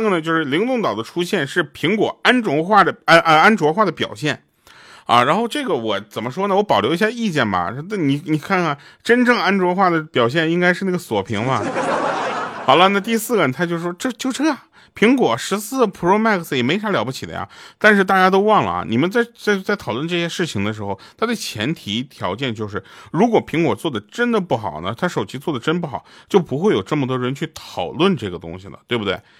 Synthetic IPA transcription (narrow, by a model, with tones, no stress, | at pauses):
ɡə˩nə˩t͡ɕjo˥˧ʊʂɻ̩˥˩li˧˥ŋt̪ʊ˥˩ŋt̪ɑ˨˩ʊd̪ə˦ʈ͡ʂʰu˥ɕjɛ˥˧nʂɻ̩˥˩pʰi˧˥ŋkwɔ˨˩a˥nʈ͡ʂʊ˧˥ŋxwa˥˩d̪ə˩˥ʔa˥nʈ͡ʂwɔ˧˥xwa˥˩d̪ə˩pjɑ̰˨˩ʊɕjɛ˥˩n | ɐ̰˧ɻa˧˥nxo˥˧ʊʈ͡ʂɤ˥˩ɡə˩wɔ˨˩t͡sə˨˩nmə˦ʂwɔ˥nə˨wɔ˧˥pɑ˨˩ʊljo˧˥ʊi˧˥ɕja˥˧˩i˥˧t͡ɕjɛ˥˩nbɐ̰˩˥n˥˩ni˧˩ni˨˩kʰa˥˩kʰa˥˩nʈ͡ʂə˥nʈ͡ʂɤ˥˩ŋa˥nʈ͡ʂwɔ˧˥xwa˥˩d̪ə˩pjɑ˨˩ʊɕ̬jɛ˥˩ni˥ŋka˥ɪʂɻ̩˥˧na˥˩ɡə˩swɔ˨˩pʰḭ˧˥ŋmɐ˧ | xɑ˨˩ʊlə˦˧na˥˧t̪i˥˧sɹ̩˥˩ɡə˩t̪ʰa˥t͡ɕjʊʂɻ̩˥˧˩ʂwɔ˥ʈ͡ʂɤ˥˧t͡ɕjo˥˩ʊʈ͡ʂɤ˥ɐ˨˩ | pʰi˧˥ŋkwɔ˨˩ʂɻ̩˧˥sɹ̩˥˩˨pʰu˧˥o˥˧ʊma˥˩kʰs̩˩jɛ˨˩me˧˥ɪʂa˧˥ljɑ˧˥ʊpu˧t͡ɕʰi˨˩d̪ə̰˦ja̰˧˩t̪a˥˧nʂɻ̩˥˧t̪a˥˧t͡ɕja˥t̪̬o˥ʊwɑ˥˩ŋlə̰˩ni˨˩mə˧˦nt͡sa˥˧ɪt͡sa˥˧t͡sa˥˩ɪt̪ʰɑ˨˩lwə˥˧nʈ͡ʂɤ˥˩ɕɛ˥ʂɻ̩˥˩t͡ɕʰi˨˩ŋd̪ə˦ʂ̬ɻ̩˧˥xo˧ʊt̪ʰa˥t͡sa˥˩ɪt͡ɕʰjɛ̰˧˥nt̪ʰi˧˥t̪ʰjɑ˧˥ʊt͡ɕjɛ˥˧nt͡ɕjo˥˧ʊʂ̬ɻ̩˥˩ɻu˧˥kwɔ˨˩pʰi˧˥ŋkwɔ˨˩t͡swɔ˥˩d̪ə˩ʈ͡ʂə˥nd̪ə˨pu˥˩xɑ̰˨˩ʊnə˦t̪ʰa˥ʂo˨˩ʊt͡ɕʰi˧˥t͡swɔ˥˩d̪ə˩ʈ͡ʂə˥np̬u˥˩xɑ˨˩˦ʊt͡ɕjo˥˩ʊpu˧˥xwe˥˩ɪjo˨˩ʊʈ͡ʂɤ˥˩mə˩wɔ˥˧ɻə˧˥nt͡ɕʰy˥˩t̪ʰɑ˨˩ʊlwə˥˩nʈ͡ʂɤ˥˩ɡə˩t̪ʊ̰˥ŋɕi˨˩nə̰˩t̪we˥˩bu˩t̪we˥˩ɪ